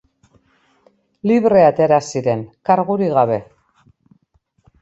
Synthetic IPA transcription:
liβre̞at̪e̞ɾasiɾe̞ŋkaɾɣuɾiɣaβe̞

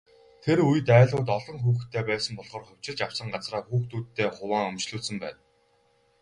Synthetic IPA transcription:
t̪ʰeɾujɘ̆t̪æːɮʊːt̪ɔɮɞ̆ŋxuːxt̪ʰːeːpæːsə̆mpɔɮʁ̥ɔːrχʊw̥ʲt͡ɕɪ̆ɮt͡ɕaw̥sə̆ɴɢat͡sraːxuːxt̪uːt̪ːeːχʊwaːŋɵmt͡ɕɮuːsɵ̆mpæ̰ːn

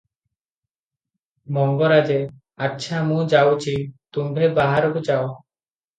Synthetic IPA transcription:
mɔŋɡoɾad͡ʑe | atːʃʰamũd͡ʒawt͡ɕit̪umɾebaɦaɾobud͡ʒao

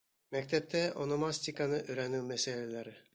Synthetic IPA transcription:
mækt̪ɛp̚t̪ɛʔonomasʲt̪ʲikanɯʔɵɾænymæselelæɾɪ

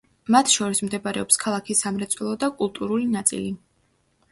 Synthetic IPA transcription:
mat̪ʰʃɔɾismd̪ɛbaɾɛɔpskʰalˠakʰisːamɾɛt̪sʼwɛlˠɔd̪akʼulˠt̪ʼuɾulinat̪sʼḭli

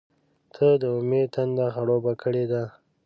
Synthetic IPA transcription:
t̪ʰəd̪əʊmet̪and̪axaɽobakʰəɽed̪a

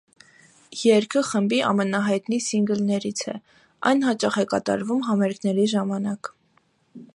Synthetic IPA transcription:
jɛɾkʰəχəmbiʔɑ̰mənɑɦɑjt̪nisiŋɡəlnɛɾit͡sʰɛ̰ | ʔɑ̰jnhɑt͡ʃɑχɛkɑt̪ɑ̰ɾvumɦɑmɛɾkʰnɛɾiʒɑmɑnɑk

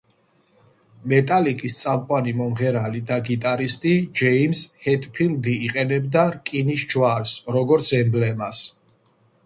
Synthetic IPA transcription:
mɛt̪ʼalikʼist̪sʼamqʼwanimɔmʁɛɾalid̪aɡit̪ʼaɾist̪ʼid͡ʒɛimshɛt̪ʼpʰild̪iːqʼɛnɛbd̪aɾkʼinisd͡ʒwaɾsɾɔɡɔɾt̪sʰɛmblɛmas

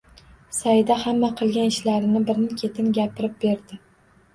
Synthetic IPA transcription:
sajd̪ahamːaqʰɨlˠɡʲanɪʃlaɾɪnɪbɪɾnɪkʲʰe̞t̪ʰɪnɡʲapɪɾɪp̚be̞ɾd̪ɪ

